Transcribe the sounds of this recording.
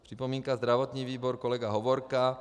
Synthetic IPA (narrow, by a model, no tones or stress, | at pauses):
pr̝̥ipɔmiːŋkazd̪ɾaʋɔt̪ɲiːʋiːbɔɾkɔlɛɡaɦɔʋɔɾka